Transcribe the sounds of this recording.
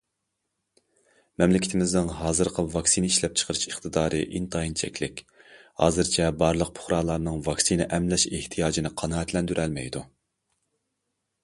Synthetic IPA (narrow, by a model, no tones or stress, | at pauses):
mɛmlɪkʲɪ̥t̪ʰɪmɪznɪŋɦɑːzɨɾqʰəvɑksinɪiʃlɛp̚t͡ʃʰə̥qʰəɾɨʃəχt̪ʰɨd̪ɑːɾʔɨ̰ʔint̪ʰɑint͡ʃʰɛ̰kʲlɪkʲ | hɑ̰ːzɨɾt͡ʃʰɛbɑɾlˠəq̚pʰʊ̥χɾɑlˠɑɾnɨŋvɑksinɛʔɛmlɛʃeht̪ʰijɑːd͡ʒinɨqʰɑnɑːɛt̪lɛnd̪yɾʔɛlmɛ̰jd̪u